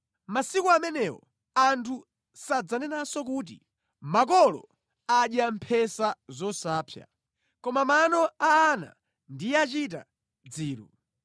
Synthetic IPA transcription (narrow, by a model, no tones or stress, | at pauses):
masikuamɛnɛwɔ̰ | antʰu | sad͡zanɛnasɔk̬uːt̬ḭ | mak̬ɔlɔ̰ | aɗjam̩pʰɛsazɔsaːpʰja̰ | kɔmamanɔaːna̰ | ndijɛat͡ʃita̰ | d͡ziːɾṵ